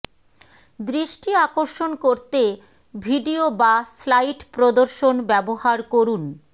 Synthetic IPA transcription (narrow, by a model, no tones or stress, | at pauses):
d̪ɾiʃʈiakoɾʃonkoɾt̪e | bʱiɖiobaslajʈpɾod̪oɾʃonbɛbohaɾkoɾun